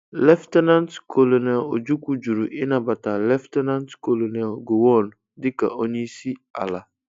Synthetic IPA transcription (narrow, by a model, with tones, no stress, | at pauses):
lɛ˦ftɛ˦nã˦ntkʰo˨lo˨nɛ˨lo˨d͡ʒu˦ku˦d͡ʒu˨ɾu˨ʔɪ˦nã˨ba˨ta˨lɛ˦ftɛ˦nã˦ntko˨lo˨nɛ˨lɡo˨wɔ˦˨n˨ | dɪ˦ka̰˨ɔ˦ɲĩ˦si˦a̰˨la˨